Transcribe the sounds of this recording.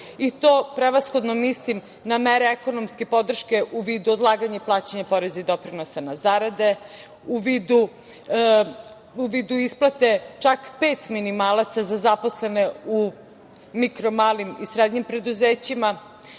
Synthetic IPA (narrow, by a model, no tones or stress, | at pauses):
it̪oːpɾeʋasxo̞d̪nomislim | nameɾeeko̞nomske̞po̞d̪r̩ʃke̞ʔuʋiːd̪uod̪lˠaːɡaɲaiplˠaːt͡ɕeɲapo̞ɾe̞zaid̪o̞pɾino̞sanazaɾad̪e̞ | uʋid̪u | uʋiːd̪uisplˠat̪e̞t͡ʃakpeːt̪minimaːlˠat̪sazazaposleneu | mikɾo̞maːlimisɾed̪ɲimpɾe̞d̪uzeːt͡ɕima